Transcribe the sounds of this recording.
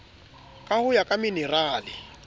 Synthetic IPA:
kʼahʊjakʼaminɛraːlɪ

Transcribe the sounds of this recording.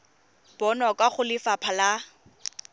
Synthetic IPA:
b̥ɔnɔkʼaχʊlɪfapʰala

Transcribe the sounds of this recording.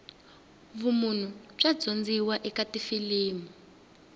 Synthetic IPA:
βumun̤ub͡ʐad͡zond͡ziwaʔɛkatifiliːmu

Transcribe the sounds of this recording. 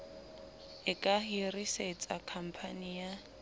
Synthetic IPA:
ɪkʼaɦiriset͡sʼakʰam̩pʰanija

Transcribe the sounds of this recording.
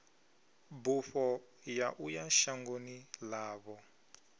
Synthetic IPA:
bufɔ | jaʔujaʃaŋɡonilaːβɔ

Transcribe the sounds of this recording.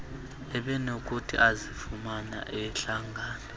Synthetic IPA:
ɛɓɛnokʼutʰḭʔazifumana̰ʔɛɬaŋɡʱaːnɔ

